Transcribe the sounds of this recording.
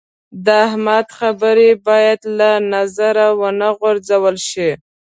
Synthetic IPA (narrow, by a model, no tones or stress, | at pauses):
d̪əahmad̪xabəɾebɑjad̪lanazaɾawənaɣoɾzd͡zawəlʃi